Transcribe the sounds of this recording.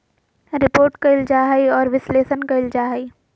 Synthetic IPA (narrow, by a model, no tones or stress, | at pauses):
ɾɪpoːɾʈkaɪld͡ʒaːɦaiɔːɾʋɪsleːʃənkaɪld͡ʒaːɦai